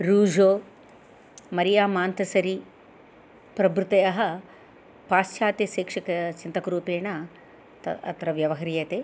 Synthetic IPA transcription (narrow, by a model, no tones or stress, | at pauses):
ɾuːd͡ʒoː | mɐɾijaːmaːnt̪ɐsɐɾi | pɾɐbɾut̪ɐjɐɦɐ̆ | paːst͡ʃjaːt̪jɐʃeːkʂɐkɐt͡ʃint̪ɐkɐɾuːpeːɳɐ | t̪ɐ̰ɐ̰t̪ɾɐʋjɐʋɐɦɐɾijɐt̪eː